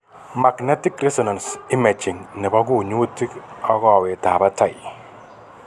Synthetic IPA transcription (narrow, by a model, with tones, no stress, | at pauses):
ma˨knɛ˦ti˦kɾɛ˦sɔ˨na˨nsi˦mɛ˨t͡ʃi˨ŋnɛ˨ba˦ku˦ɲo˦tːi˦kɔ˦kɔ˦˨we˨ta˨ba˦ta˨ɪ˨